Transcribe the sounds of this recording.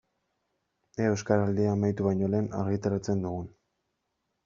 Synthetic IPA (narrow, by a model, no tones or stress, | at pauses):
eeskaɾald̪eaːmajt̪uβaɲo̞le̞ːna̰ɾɣit̪aɾat͡se̞nd̪uɣun